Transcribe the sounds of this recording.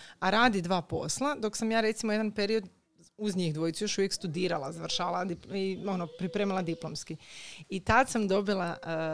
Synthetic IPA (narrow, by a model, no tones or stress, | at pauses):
aɾaːd̪id̪ʋaːpo̞̰slˠad̪o̞ksamjaːɾe̞t̪simoje̞d̪anpeɾio̞d̪ | uzɲixd̪ʋo̞jt̪ujo̞ʃuʋjekst̪ud̪iːɾalˠazaʋɾ̩ʃaːalad̪ipio̞nopɾipɾeːmilˠad̪iplˠomskiit̪ad̪samd̪o̞bilˠa